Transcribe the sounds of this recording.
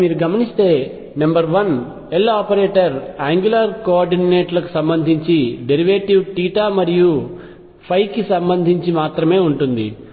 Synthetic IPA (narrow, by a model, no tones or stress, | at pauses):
miːɾuɡɐmɐnist̪e̞ː | nɐmbɐɾʋɐn | elaːpɐɾeːʈɐɾaːŋɡjulaɾkoaːɾɖineːʈlɐku̥sɐmbɐnd̪ʱiɲt͡ʃiɖe̞ɾiʋeːʈiʋʈiːʈaːmɐɾiju | pʰɐjkisɐmbɐnd̪ʱiɲt͡ʃimaːt̪ɾɐme̞ːuɳʈund̪ḭ